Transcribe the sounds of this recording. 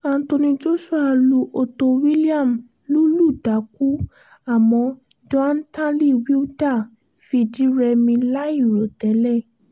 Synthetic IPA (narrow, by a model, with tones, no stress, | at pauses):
a˧n̩˦to˧nĩ˧d͡ʒo˦ʃu˦a˧lu˨˧ʔo˧to˧wi˦li˦a˦˨m | lu˦lu˦˨da˨˦ku˦ | a˦˨mɔ̃˧ | d͡ʒɔ˦a˦n̩˦tã˦li˦˨wi˦u˦da˦˨ | fi˧d͡ʒi˨˦ɾɛ˧mĩ˧la˦i˦˨ɾo˨tɛ˨˦lɛ˦˨